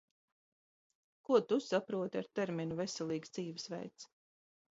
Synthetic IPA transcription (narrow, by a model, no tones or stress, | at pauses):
kuɔt̪usapɾuɔt̪aɾt̪ɛɾminuvesɛlˠiːɡsd̪ziːvisvɛ̰jt̪s